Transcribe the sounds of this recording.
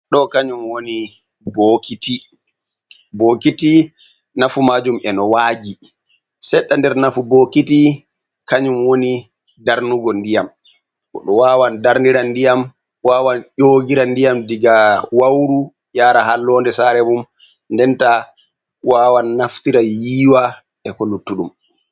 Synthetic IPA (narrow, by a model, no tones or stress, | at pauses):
ɗɔkaɲumwoni | boːkiti | boːkiti | nafumaːd͡ʒumɛnɔwaːd͡ʒi | sɛɗːandɛɾnafubokiti | kaɲumwoni | daɾnuɡɔndijam | kɔ̰ɗɔwaːwandaɾniɾandijam | waːwanʄoːɡiɾandijamdiɡawawɾu | jaːɾahalːɔːndɛsaɾɛmum | ndɛnta | waːwanːaftiɾajiːwa | ɛkolutːuɗum